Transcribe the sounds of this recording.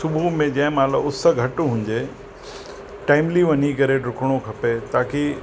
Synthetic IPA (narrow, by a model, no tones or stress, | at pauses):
sʊbʱumẽd͡ʑɐ̃ɦɪ̃maːlɐʊsəɡʱɐʈɦũːɲ̆d͡ʑe | ʈaːɪmliʋɐɲikɐɾeɖʊkʰəɽ̃okʰɐpet̪aːki